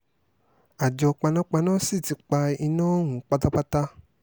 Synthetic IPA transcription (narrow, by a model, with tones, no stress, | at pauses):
a˨d͡ʒɔ˧k͡pa˧nã˦k͡pa˧nãː˦si˦˨ti˨˧˦k͡pa˧i˧nãː˦ɦũ˨k͡pa˧ta˦k͡pa˦ta˦